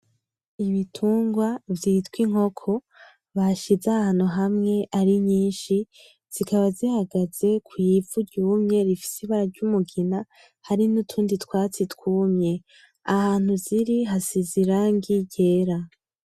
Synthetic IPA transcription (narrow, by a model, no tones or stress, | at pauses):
iβitʰuːŋɡwavjiːtwiŋ̥ho̞kʰo̞ | βaʃizahaːn̥uɦamŋe̞ʔaɾiɲɲiːnʃi | z̥ikaβazihaɡaz̥e̞kʰujifuɾɟuːmɲe̞ɾifi̥siβaɾaɾɟumuɡina | haɾinutʰuːnditkwaːt͡sitkuːmɲe | ahaːn̥huziɾiɦasiziɾaŋɡiɟe̞ːɾa